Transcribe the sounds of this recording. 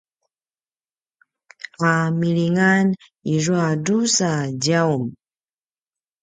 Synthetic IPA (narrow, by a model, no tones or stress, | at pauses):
qamiliŋan | iruadusaɟawm